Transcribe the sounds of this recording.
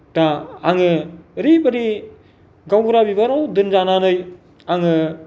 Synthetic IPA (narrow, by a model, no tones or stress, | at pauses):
daːŋɯɾipaɾi | ɡawɡuɾabibaɾawdɯnzananɯj | aŋɯ